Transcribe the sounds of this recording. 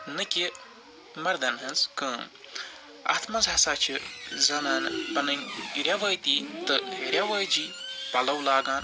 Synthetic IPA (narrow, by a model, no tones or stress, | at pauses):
nɨkʲi | mɐɾd̪ɐnɦɨnzkəːm | a̰ːt̪ʰmɐzɐsaːt͡ʃʰizɐnaːnpɐnɨnʲiɾʲjaʋɐjt̪it̪ɨɡʱɐɾʲjaʋɐːjd͡ʒiːpɐlɐwlaːɡaːn